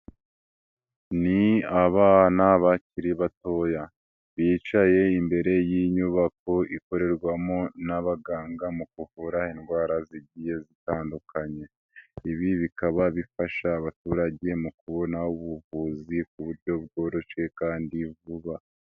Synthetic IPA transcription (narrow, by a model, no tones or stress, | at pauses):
niaβanaβaciɾiβato̞ja | βiːt͡ʃaje̞imbe̞ɾe̞jiɲuβako̞iko̞ɾe̞ɾɡwamonaβaɡaːŋɡamukuhuɾainɡwaːɾaziɟije̞zitaːndukaɲe̞ | iβiβikaβaβifaʃaːβatuːɾaɟe̞mukuβo̞nauβuvuzik̚uβuɾɟo̞β̚ɡo̞ːɾo̞ʃe̞kaːndivuβa